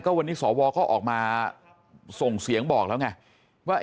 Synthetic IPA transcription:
kɔː˥˩wa˧nːiː˦˥sɔː˩˦wɔː˧kɔː˥˩ʔɔ̰ː˨˩k̚maː˧ | so˨˩ŋsi˩˦əŋbɔː˨˩k̚lɛː˦˥wŋa˥˩ | waː˥˩

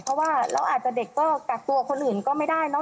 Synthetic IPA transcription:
pʰɔ˦˥waː˥˩ɾa̰˧˩ʔaː˨˩t̪̚t͡ɕa˨˧˩de˨˩kːɔː˥˩ka˨˩k̚t̪u˧ɐkʰo˧nʔɯː˨˩nkɔː˥˩ma˥˩jdaː˥˩jnɔ˦˥

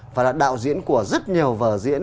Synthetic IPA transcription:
vaː˨˩laː˨˩ɗa̰ː˧˨wzḭ˧˥ənku˧˩əzə˦˥t̚ɲi˨˩əwvəː˨˩zḭ˧˥ən

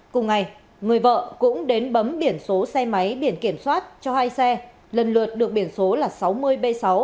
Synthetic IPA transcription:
kʊ˨˩ŋ͡mŋa˨˩j | ŋɨ˨˩əjvə̰ː˧˨kʊ̰˧˥ŋ͡mɗe˨˦nɓə˨˦mɓi˧˩ənso˨˦sɛ˧ma˨˦jɓi˧˩ənki˧˩əmswaː˦˥t̚t͡ɕɔ˧haː˧jsɛ˧ | lə˨˩nlɨ̰˨˩ət̚ɗɨ˨˩ək̚ɓi˧˩ənso˨˦laː˨˩sa˨˦wmɨ˧əjɓe˧sa˨˦w

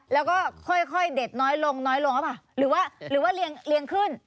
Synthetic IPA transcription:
lɛː˦˥wkɔː˥˩kʰɔ˥˩jkʰɔ˥˩jde˨˩t̪̚nɔː˦˥jlo˧ŋnɔː˦˥jlo˧ŋʔa˥˩pʰa˨˩ɾɯː˩˦waː˥˩ɾɯː˩˦waː˥˩li˧əŋli˧əŋkʰɯ˥˩n

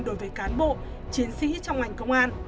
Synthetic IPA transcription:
nɗo˨˦jvəː˨˦jkaː˨˦nɓo̰˧˨ | t͡ɕi˨˦ənsḭ˧˥t͡ɕɔ˧wŋ͡mŋa˨˩jŋ̟kə˧wŋ͡mʔaː˧n

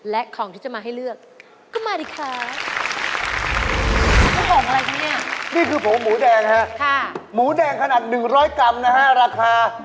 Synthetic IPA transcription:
lɛ˦˥ʔkʰɔː˩˦ŋt̪ʰiː˥˩t͡ɕa˨˩maː˧ɦa˥˩jlɯ˥˩ək̚ | kːɔː˥˩maː˧diː˨˩kʰaː˦˥˧ | t̪ɔː˥˩bɔː˨˩k̚ʔa˧ɾa˧jt̪ʰa˦˥ni˥˩ɐniː˥˩kʰɯː˧pʰo˩˦muː˩˦dɛː˧ŋɦa˦˥ʔkʰa˥˩muː˩˦dɛː˧ŋkʰa˧naː˨˩t̪̚nɯ˨˩ŋɾɔː˦˥jka˧mna˦˥ka˦˥ɾaː˧kʰaː˧

